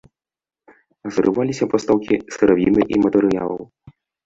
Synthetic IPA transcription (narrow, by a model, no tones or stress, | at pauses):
ɐzɾɨvalʲisʲɐpɔst̪awkʲisɨɾavʲinɨʔimɐt̪ɛɾɨja̰lˠɐ̰w